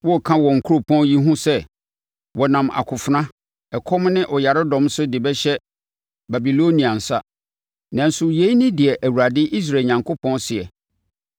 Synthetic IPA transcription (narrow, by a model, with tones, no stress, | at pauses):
wɔ˦˨kʰã˦wɔ̃˨ŋ̩˨kʰu˦ɾo˨pʰɔ̃˦nji˦ɦũ˦sɛ˦ | wɔ˨nã˨ma̰˨kʰʊ˨fʊ˨nã˦ | ɛ˨kʰɔ˦m˦nɪ̃˦ʔɔ˨ja˨ɾɪ˦dɔ̃˨msʊ˦dɪ˨bɛ˦ɕɛ˦ | ba˨bi˨lo˦nĩ˨a˨n̩˨sa˦ | nã˨n̩˦sʊ˨je˨˦i˦nĩ˦dɪ˨ɛ˨ʔæ˨wu˨ɾa˨dɪ˦ʔi˦s̬ɾa˨ɲã˨ŋkʰʊ˦pʰɔ̃˦nsɪ˨ɛ˨